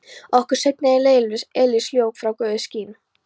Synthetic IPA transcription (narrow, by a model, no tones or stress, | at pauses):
ɔhkʏɾ̥sɛjt̪nɪaɪleːjlnɪsɛlɪsljoːwkfɾawkœːðʏsciːn